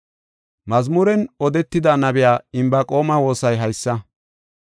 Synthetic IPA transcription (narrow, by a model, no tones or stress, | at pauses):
mɐzmʊɾɛnɔd̪ɛt̪ːɪd̪anɐbɪjaːɪmbɐkʼo̞ːmɐwo̞ːsɐjɦɐjsːɐ